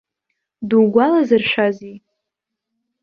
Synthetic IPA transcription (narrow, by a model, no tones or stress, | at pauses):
duɡʷalazɨrʃʷazi